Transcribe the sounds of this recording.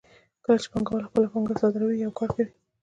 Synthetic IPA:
kəlat͡ʃe̥paŋɡawalaxpəlapaŋɡasɑd̪ɪɾawijawkɑɾkawi

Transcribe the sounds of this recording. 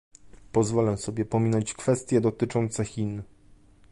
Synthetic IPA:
pɔzvɔlɛsɔbʲjɛpɔmʲinɔɲt͡ɕkfɛst̪ʲjɛd̪ɔt̪ɘt͡ʂɔnt̪sɛxʲin

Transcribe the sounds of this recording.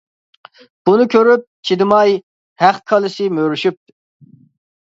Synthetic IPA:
b̥unɨkʲʰøɾyp̚t͡ʃʰid̪ɪmɑj | hæχkʰɑlˠɨʃɨmøɾyʃyp̚t̪

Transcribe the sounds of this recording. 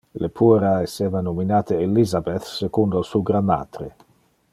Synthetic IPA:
lepʰueɾaeseːvanominaːt̪eelizabet̪sekund̪osuɡɾamːa̰ːt̪ɾe

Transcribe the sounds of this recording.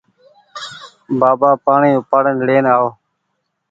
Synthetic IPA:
baːbaːpaːɳiːpaːɽənɽeːnaːo

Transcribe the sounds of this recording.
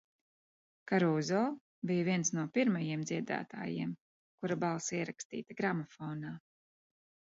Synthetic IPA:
kaɾuːzɔː | bijviɛnsnuɔpiɾmajiɛmd̪ziɛd̪a̰ːt̪a̰ːjḭɛm | kuɾabalˠsiɛɾakst̪ḭːt̪aɡɾamɔfɔːnaː

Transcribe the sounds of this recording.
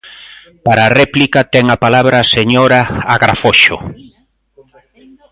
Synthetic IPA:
paɾaːrɛplikat̪ɛŋapalaβɾaːseɲoɾaaɣɾa̰foʃo̰

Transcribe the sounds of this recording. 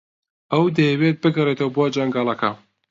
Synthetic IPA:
ɐwd̪ɐjɛwet̪̚bɨɡɐret̪ɐwbuad͡ʒɐŋɡɑːlˠɐkʰɐ

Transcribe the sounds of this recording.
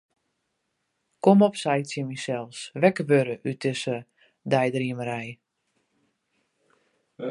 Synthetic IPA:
kɔmɔpsɛjtsjəmisɛlˠsʋɛkəʋøɾəʔyt̚ɪsə | dɛjdriəməɾɛj

